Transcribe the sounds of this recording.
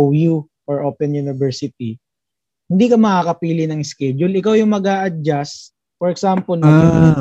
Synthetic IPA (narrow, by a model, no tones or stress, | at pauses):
ju | ʔɔɹʔoːpɛnjunɪvɛɹsɪt̪̚i | hɪnd̪ikɐmɐkaːkɐpiːlɪnɐŋɛskɛd͡ʒʊlɪkawjʊŋmɐɡaːʔɐd͡ʒas | fɔɹɛksampolnɐɡɪ